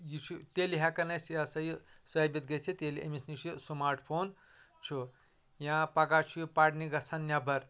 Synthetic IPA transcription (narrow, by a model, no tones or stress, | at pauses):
jit͡ʃʰut̪eliɦakɐnɐsjasɐjisɐbit̪ɡet͡sʰit̪eliḛmisnit͡ʃʰusumaːɾʈʰpʰoːn | t͡ʃʰu | jãpɐɡat͡ʃʰujipaɽniɡɐsʰɐnnʲabɐɾ